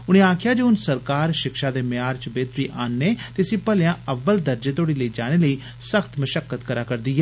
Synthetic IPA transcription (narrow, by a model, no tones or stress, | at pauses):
ʊñẽːaːkʰɪjaːd͡ʒeːʊnsəɾkaːɾʃɪkʃaːd̪eːmɪjaːɾt͡ʃəbeːt̪ɾiːʔaːnːeːt̪eːəsĩːpəljãːəʋːəld̪əɾd͡ʒeːt̪oːɽiːləiːd͡ʒaːɽ̃eːləiː | səkʰt̪məʃəkːət̪kəɾaːkəɾd̪iːɦɛː